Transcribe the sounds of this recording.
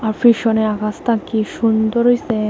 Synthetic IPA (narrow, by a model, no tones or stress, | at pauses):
aɾfiʃɔneakast̪akiʃund̪ɔɾɦojse